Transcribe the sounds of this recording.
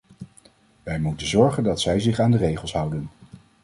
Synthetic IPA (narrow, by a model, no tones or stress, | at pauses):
ʋɛjmutənzɔɹχəndɑtsɛjzɪχaːndərejχəlˠsɦʌwdən